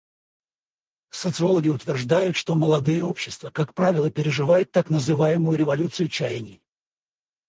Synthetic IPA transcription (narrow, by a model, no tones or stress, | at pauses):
sət̪sɨo̞lˠəɡʲɪʊt̪vʲɪrʐd̪ajʊt̪ʂt̪o̞məlˠɐd̪ɨjəo̞pɕːɪst̪vəkakpɾavʲɪlˠəpʲɪɾʲɪʐɨvajʊt̪ːaknəzɨvajɪmʊjʊɾʲɪvɐlʲut̪sɨjʊt͡ɕæjnʲɪ